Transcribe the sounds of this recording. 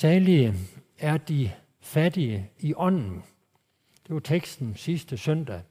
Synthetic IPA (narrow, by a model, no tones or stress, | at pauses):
sɛːliə | æɐd̥i | fæd̥iəiʔɒ̽n̰n̩ | d̥e̝ʋɑ̈t͡sʰeɡ̥sd̥n̩sisd̥əsœn̰d̥æ